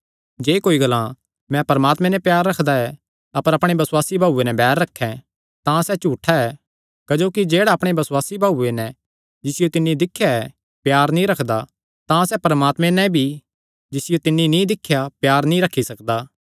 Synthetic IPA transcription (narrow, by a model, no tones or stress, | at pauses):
d͡ʒeːkoːiɡɐlã | mɛ̃pɐɾmaːt̪mɛ̃nɛpjaːɾːɐkʰd̪aɛ | ɐpəɾɐpɽ̃ebɐsʊwaːsibʱaːuːenɛbɛːɾːɐkʰːɛ̃ | t̪ãsɛt͡ʃuːʈʰaɛ | kɐd͡ʒoːkid͡ʒeːɽaɐpɽ̃ebɐswaːsibʱaːuːenɛ̃ | d͡ʒɪsɪjot̪ɪnːid̪ɪkʰːjaɛ | pjaːɾnĩɾɐkʰd̪a | t̪ãsɛpɐɾəmaːt̪mẽnɛ̃bʱi | d͡ʒɪsɪjot̪ɪnːinĩd̪ɪkʰːjapjaːɾnĩɾɐkʰːisɐkd̪aː